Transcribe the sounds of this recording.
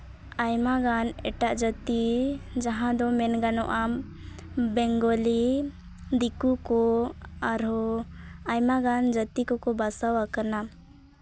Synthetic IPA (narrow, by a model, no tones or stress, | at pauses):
ajmaɡanɛ̰ʈaʔd͡ʒət̪id͡ʒaɦãd̪ɔmɛnɡanɔʔa | bɛŋɡɔli | d̪ikukɔaɾɔ | ajmaɡand͡ʒət̪ikɔkɔbasawakana